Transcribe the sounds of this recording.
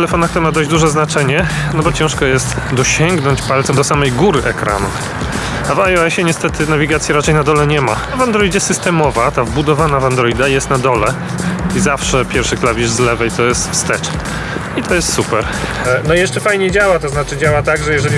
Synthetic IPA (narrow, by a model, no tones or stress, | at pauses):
tɛlɛfɔnakt̪ɾmad̪ɔjʑd͡ʑd̪uʐɛznat͡ʂɛɲɛ | nɔbɔt͡ɕɛ̃ʂkɔjɛst̪ | d̪ɔɕɛŋɡnɔɲt͡ɕpalt̪sɛmd̪ɔsamɛjɡuɾɘʔɛkɾa̰nṵ | avajɔɛɕɛɲɛst̪ɛt̪ɘnavʲiɡat̪sʲjɛɾat͡ʂɛjnad̪ɔlɛɲɛmaavand̪ɾɔjd͡ʑɛsɨst̪ɛmɔvat̪avbud̪ɔvanavand̪ɾɔid̪ajɛst̪nad̪ɔlɛ | izafʂɛpʲjɛɾfʂɘklavʲiʐzlɛvɛjt̪ɔjɛst̪fst̪ɛt͡ʂ | it̪ʰɔjɛst̪supɛɾ | nɔjɛʂt͡ʂɛfajɲed͡ʑawat̪ɔznat͡ʂɘd͡ʑawat̪aɡʐɛjɛʐɛlʲi